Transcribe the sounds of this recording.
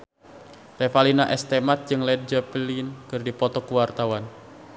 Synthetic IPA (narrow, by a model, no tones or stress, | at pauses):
lɛfalinaʔɛst̪ɛmat̪̚d͡ʒɨŋlɛd̚d͡ʒəplinkɨrdipɔt̪ɔkuwart̪awan